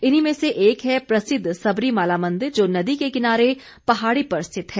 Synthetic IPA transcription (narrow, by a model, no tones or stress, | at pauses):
ɪnimẽseʔeːkɦɛpɾɐsɪd̪ʱsɐbɾimaːlaːmɐ̃nd̪ɪɾd͡ʒoːnɐd̪ikekɪnaːɾe | pɐɦaːɽipɐɾɪst̪ʰɪt̪ɦɛː